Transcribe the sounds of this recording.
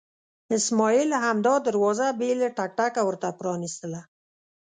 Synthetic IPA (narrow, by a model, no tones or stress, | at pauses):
ɪsmɔjilhamd̪ɑd̪əɾwɑzabeləʈak̚ʈakawəɾt̪apɾɑnist̪əla